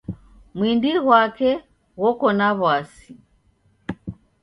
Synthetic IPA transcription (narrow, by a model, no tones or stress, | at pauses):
mwindiɣwakɛ | ɣɔkɔnaβwasi